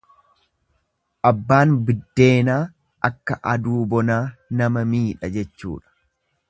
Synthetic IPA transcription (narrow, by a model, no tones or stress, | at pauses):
ʔɐbːaːnbɪd̪ːe̞ːnaː | ʔɐkːɐʔɐd̪uːbɔnaːnɐmɐmiːᶑɐd͡ʒɛt͡ʃːṵːᶑɐ̥